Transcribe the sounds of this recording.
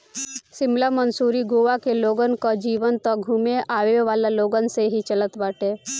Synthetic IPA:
sɪmlamənsuːɾiɡoːʋakeloːɡənkad͡ʒiːʋənt̪əɡʱumeʔaːʋeʋaːlaloːɡənseɦit͡ʃələt̪baːʈeː

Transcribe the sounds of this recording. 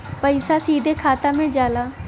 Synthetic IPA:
pəɪsaːsiːd̪ʱeːkʰaːt̪aːmẽːd͡ʒaːlaː

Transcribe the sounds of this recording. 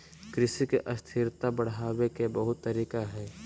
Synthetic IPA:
kɾɪsikeʔɐst̪ʰɪɾt̪abɐɽ̤aːwekebəɦʊt̪ːɐɾiːkaɦɛː

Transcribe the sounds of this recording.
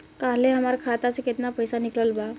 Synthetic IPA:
kaɦleɦəmaɾkʰat̪at͡seket̪napəjsanikʰləlba

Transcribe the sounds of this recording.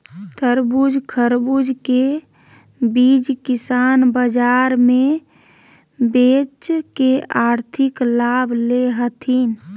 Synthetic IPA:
t̪ʰəɾbud͡ʒkʰəɾbud͡ʒke | bid͡ʒkɪsaːnbəd͡ʒaɾmẽ | beːt͡ʃkeaːɾt̪ʰɪklaːbleɦət̪ʰin

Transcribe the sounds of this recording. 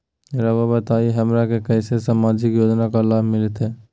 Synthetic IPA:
meːɾaʋobət̪aːiɦəmɾakekəɪsesamaːd͡ʒɪkjoːd͡ʒnakalaːbʱmɪlt̪ɦɛː

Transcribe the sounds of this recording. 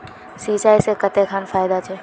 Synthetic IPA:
siːt͡ʃaːsekət̪ekʰaːnfaːɪd̪at͡ʃʰeː

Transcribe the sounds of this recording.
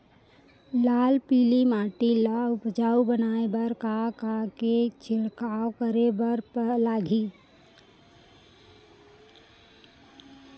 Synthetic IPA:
laːlpiːlimaːʈilaʊpd͡ʒaːubənaːebəɾkakaket͡ʃɪlkaːokəɾebəɾplaːɡʱi

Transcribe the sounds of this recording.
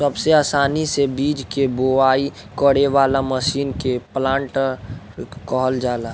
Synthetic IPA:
səbseaːsaːnisebiːd͡ʒkeboaːi | kəɽeʋaːlaməʃiːnkeplãːɳʈ | kɔɦəld͡ʒaːla

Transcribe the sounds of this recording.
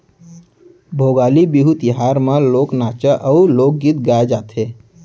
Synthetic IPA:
bʱoːɡaːlibiɦut̪ɪɦaːɾmãloːknaːt͡ʃaʔəʊloːk̚ɡit̪ɡaːed͡ʒaːt̪ɦeː

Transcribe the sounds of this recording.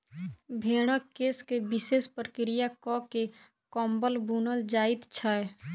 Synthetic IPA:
bʱeːɽ̃əkkːeːskebɪsespɾəkɾijakɔke | kɔːmbəlbunəld͡ʒaːɪt̪t͡ʃʰəɛ

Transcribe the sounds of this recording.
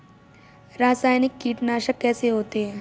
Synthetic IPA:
ɾasajnikːiːʈnaɕəkːɛːseɦot̪e

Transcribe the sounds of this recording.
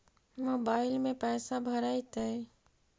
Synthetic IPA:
mobailmẽpɛjsabʱəɾajt̪əj

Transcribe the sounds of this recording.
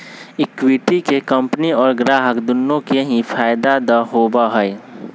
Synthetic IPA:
ɪkwɪʈikekɐ̃mpniɔːɾɡɾaːɦəkd̪ʊnːõkeɦifʰaːɪd̪ad̪aɦoːbaɦɛe

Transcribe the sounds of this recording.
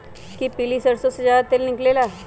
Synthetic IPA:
kipɪlisəɾsoːsəd͡ʒaːt̪elnɪkleːlaː

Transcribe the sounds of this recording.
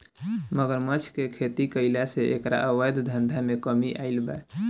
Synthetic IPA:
məɡəɾmət͡ʃʰkekʰet̪ikəɪlaseʔḛkɾa̰ʔəwəjd̪ʱd̪ʱənd̪ʱamekəmiʔa̰ɪlba̰

